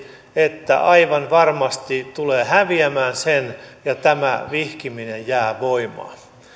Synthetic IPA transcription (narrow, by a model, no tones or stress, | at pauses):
et̪ːæ̰ʔɑiʋɑnʋɑrmɑst̪it̪uleːhæʋiæmæːnsenjɑt̪æmæʋihkiminejjæːʋoimɑ̰ː